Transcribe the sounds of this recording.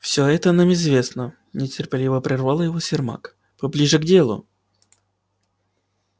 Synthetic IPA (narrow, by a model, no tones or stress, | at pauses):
fsʲɵɛt̪ənamɪzvʲe̞snə | nʲɪtʲɪrpʲɪlʲivəpɾʲɪrvalˠəjɪvosʲɪrma̰k | pɐblʲiʐɨɡdʲe̞lˠʊ̰